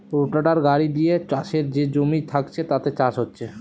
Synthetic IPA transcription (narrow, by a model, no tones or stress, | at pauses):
ɾoʈaɖaɾɡaɾid̪ijet͡ɕaʃeɾd͡ʑed͡ʑomit̪ʰakt͡ɕʰet̪at̪et͡ɕaʃɦotːt͡ɕʰe